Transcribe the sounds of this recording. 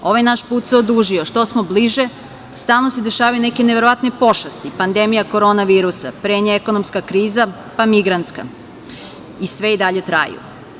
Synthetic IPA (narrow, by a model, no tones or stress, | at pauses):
o̞ʋajnaʃpuːt̪seo̞d̪uːʒioʃt̪o̞smobliʒe | st̪aːlˠno̞sed̪e̞ʃaːʋajune̞keneʋe̞ɾo̞ʋat̪ne̞po̞ʃast̪ipand̪e̞mijako̞ɾo̞naʋiːɾusa̰pɾeːɲeeko̞no̞mskakɾiːza | pamiɡɾant̪ska̰ | isʋe̞id̪aʎe̞t̪ɾa̰jṵ